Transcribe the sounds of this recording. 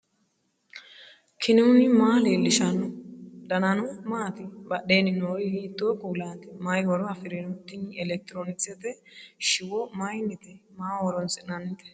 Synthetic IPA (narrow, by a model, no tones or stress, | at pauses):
kʰɪnɪʊnɪmaːleːlːɪʃɐnɔd̪ɐnɐnɔmaːt̪ɪbɐɗeːnːɪnoːɾɪhiːt̪ʼːoːkuːlaːnt̪ɪmɐjwɔɾɔɐfɪɾɛnɔt̪ːɪɲɪɛlɛk̚t̪ɪɾoːnɪksɛt̪ɛ | ʃɪwɔmajnːɪt̪ɛmaːwɔɾɔnsɪɐnːɪt̪ɛ̥